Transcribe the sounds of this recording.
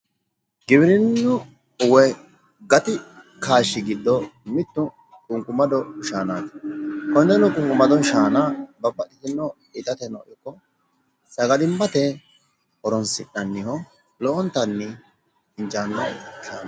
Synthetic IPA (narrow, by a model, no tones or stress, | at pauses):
ɡɪbɪɾɪnːʊ | ʊwɛ | ɡɐt̪ɪ | kʰaːʃːɪɡɪd̪ːɔmɪt̪ːʊ | kʼʊŋkʼʊmɐd̪ɔʃaːnaːt̪kɔnd̪ɛnːɔkʼʊŋkʼʊmɐd̪ɔnʃaːnaːbɐpːɐtːɪt̪ɪnːɔ | ɪt̪ɐt̪ɛnɔ̰ʔɪkːɔ | sɐɡɐd̪ɪmːɐt̪ɛ | ɔɾɔnsɪnːɐnːɪhɔ | lɔʔɔnt̪ɐnːɪ | ɪnt͡ʃaːnːɔʃaːn